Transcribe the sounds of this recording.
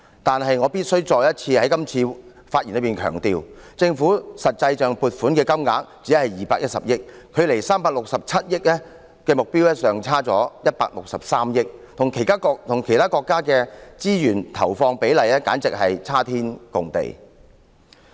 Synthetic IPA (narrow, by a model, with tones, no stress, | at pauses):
t̪aː˨nɦɐ˨jŋɔː˨˧piː˥t̚sɵ˥wt͡sɔː˨jɐ˥t̚t͡sʰiː˧hɐ˨˥jkɐ˥mt͡sʰiː˧ | faː˧t̚ji˨˩nlə˨˧jpiː˨nkʰœː˨˩ŋt̪iː˨˧wt͡sɪ˧ŋfuː˨˥sɐ˨t̚t͡sɐ˧jt͡ʃœː˨ŋpuː˧t̚fuː˨˥nkɛː˧kɐ˥mŋa̰ː˨˥k̚t͡siː˨˥hɐ˨jjiː˨paː˧k̚jɐ˥t̚sɐ̰˨p̚jɪ˥k̚kʰɵ˨˧ɥle˨˩jsaː˥mpaː˧k̚lʊ˨k̚sɐ˨p̚t͡sʰɐ˥t̚jɪ˥k̚ɛ˥ | kɛː˧mʊ˨k̚piː˥wɛ˥sœː˨ŋt͡sʰaː˥t͡sɔ̰ː˨˥jɐ˥t̚pa̰ː˧k̚lʊ˨k̚sɐ˨p̚saː˥mjɪ˥k̚t̪ʰʊ˨˩ŋkʰe˨˩jt̪ʰaː˥kɔ˧k̚t̪ʰʊ˨˩ŋkʰe˨˩jt̪ʰaː˥kɔː˧kːaː˥kɛː˧t͡siː˥jyː˨˩nt̪ʰɐ̰˨˩wfɔː˧ŋpe˨˥jlɐ˨jɛː˥ka̰ː˨˥nt͡sɪ˨k̚hɐ˨jt͡sʰaː˥t̪ʰiː˥nkʊ˨ŋt̪ḛ˨j